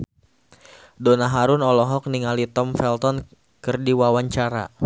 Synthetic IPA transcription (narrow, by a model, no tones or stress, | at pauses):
dɔnaɦaɾʊnɔlɔɦɔk̚niŋalit̪ɔmfɛlt̪ɔn | kɨrdiwawaɲt͡ʃaɾa̰